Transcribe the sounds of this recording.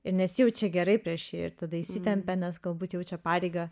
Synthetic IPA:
ɪɾnʲɛsjɛʊt͡ʃʲɛɡʲɛɾɐɪpʲɾʲiɛʃjeɪ̰ɾt̪ɐd̪ɐɪsʲɪt̪ʲɛmʲpʲɛnʲɛsɡɐlˠbuːt̪jɛʊt͡ʃʲɛpɑːɾʲeɪɡɐ

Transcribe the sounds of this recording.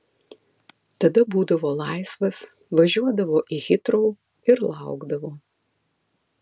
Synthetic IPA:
t̪ɐd̪ɐbuːd̪ɐʋoːlˠɑˑɪsʋɐs | ʋɐʒʲuɔd̪ɐʋoːʔiɣʲɪt̪ɾoʊ | ɪɾlˠɑʊɡd̪ɐʋoː

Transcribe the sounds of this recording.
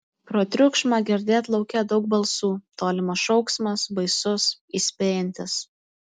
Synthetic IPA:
pɾoːt̪ʲɾʲʊkʃmɑɡʲɛɾʲd̪ʲeːt̪lˠɒʊkʲɛd̪ɒʊk̚bɐlˠsuːt̪oːlʲɪmɐsʃɔʊksmɐsbɐɪsʊsiːsʲpʲeːjɛnʲt̪ʲɪs

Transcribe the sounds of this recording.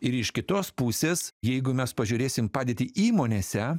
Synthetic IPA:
ɪɾɪʃkʲɪt̪oːspuːsʲeːsjɛɪɡʊmʲɛspɐʒʲʊːɾʲeːsʲɪmpɑːd̪ʲeːt̪ʲiːʔiːmoːnʲeːsʲɛ

